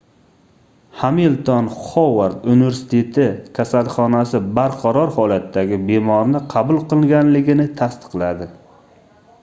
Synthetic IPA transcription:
hamilt̪ʰɒnχɒwaɾd̪unɪve̞ɾsɪ̥t̪ʰe̞t̪ʰɪkʲʰasalˠχɒnasɪbaɾqʰɑɾɒɾhɒlat̪ːaɡʲɪbe̞mɒɾnɪqʰɑbʊlˠqɨlˠɡʲanlɪɡʲɪnɪt̪ʰast̪ɨ̥qlad̪ɪ

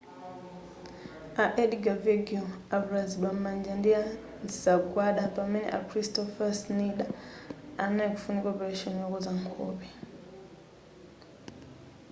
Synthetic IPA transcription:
aʔɛɗiɡaveɡiuaβuɾaziɓammand͡ʒandia | zizaɡwaɗapaminḭʔakɾistɔfasniɗaanaikufunikwapaɾeʃɔnijakɔzaŋkʰo̰pi

